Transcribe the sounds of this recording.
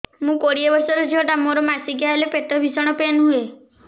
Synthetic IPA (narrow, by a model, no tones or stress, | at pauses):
mũkoɽiebɔɾsɔɾɔd͡ʒeɔɖamoɾɔmasiɡjaɦelepeʈːɔbʱisɔɽ̃ɔpenɦue